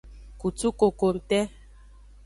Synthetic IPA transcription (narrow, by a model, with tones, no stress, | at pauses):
ku˨tu˦ko˨ko˨n̩˨tɛ˦